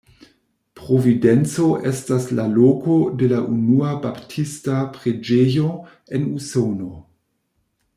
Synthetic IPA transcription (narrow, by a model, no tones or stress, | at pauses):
pɾovident͡so̞ʔestaslaloko̞de̞laʔunuabaptʰistapɾe̞d͡ʒejo̞ | e̞nusono̞